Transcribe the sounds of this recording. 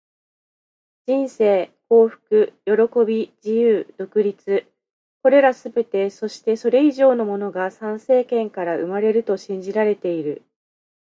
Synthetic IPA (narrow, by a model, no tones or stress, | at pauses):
d͡ʑ̥ĩɰ̃se̞ːko̞ːɸɯ̟̥kɯ̟jo̞ɾo̞ko̞bʲid͡ʑijɯːd̪̥o̞kɯ̟ɾʲit͡sɨ | ko̞ɾe̞ɾasɨbe̞t̪e̞so̞ɕi̥t̪e̞so̞ɾe̞iʑo̞ːno̞mo̞no̞ɡasãɰ̃se̞ːkẽ̞ŋkaɾaʔɯ̟maɾe̞ɾɯ̟t̪o̞ɕĩɲ̟d͡ʑiɾaɾe̞t̪e̞iɾɯ̟